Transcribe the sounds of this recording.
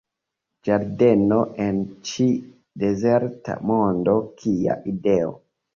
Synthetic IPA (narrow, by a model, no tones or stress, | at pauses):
d͡ʒaɾdenoʔent͡ʃi | dezeɾta̰mondokʰia̰ʔideo̰